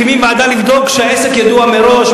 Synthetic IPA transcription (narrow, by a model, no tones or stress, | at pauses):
imimmaːd̪alivd̪o̞kʃeaesekjad̪uameɾo̞ʃ